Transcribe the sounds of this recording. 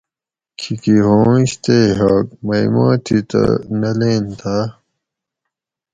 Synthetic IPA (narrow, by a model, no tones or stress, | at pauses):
kʰikiɦõːɕt̪eːɦɐk̚mɐimã̰ːt̪ʰit̪ɐ̰nɐleːnt̪ʰaː